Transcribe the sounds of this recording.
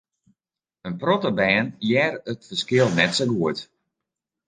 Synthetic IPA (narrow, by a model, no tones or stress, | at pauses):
ənprɔtəbɛːnjɛrətfəskɪlˠnɛtsoɡuət